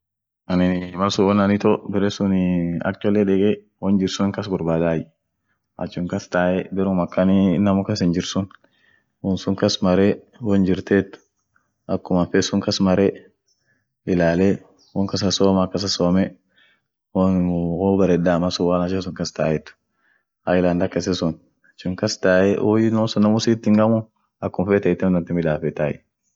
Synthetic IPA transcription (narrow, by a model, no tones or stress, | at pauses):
ɐnɪnmɐsʊwɔnɐnɪt̪ɔbɪɾɛsʊnɐ̰k̚t͡ʃ̪ɐlɛᶑɛɡɛ | wɔnd͡ʒɪɾsʊŋkɐsɡʊɾbaːd̪aːj | ʔɐ̰t͡ʃːʊŋkɐst̪aːʔɛbɛɾʊmɐkːɐnɪnɐmʊkɐsɪnd͡ʒɪɾsʊn | wɔnsʊŋkɐsmɐɾe | wɔnd͡ʒɪɾt̪et̪ːʊ̥ | ɐkːʊmɐfɛsʊŋkɐsmɐɾɛ | ɪlaːlɛ | wɔŋkɐs̬ɐsoːmakːɐs̬ɐsoːmɛ | wɔɔbɐɾɛd̪aːmɐsʊwaːnɐʃes̬ʊŋkɐst̪aːjɛt̪ːʊ̥ | haɪland̪ɐkɐs̬ɛsʊn | t͡ʃːʊŋkɐst̪aːjɛʔojɪnosʊnɐmʊsiːt̪ːɪŋɡɐmʊ | ɐkːʊmfɛt̪ɐjt̪ːɛmd̪ɐnt̪ɪmɪd̪aːfɛt̪aːjɛ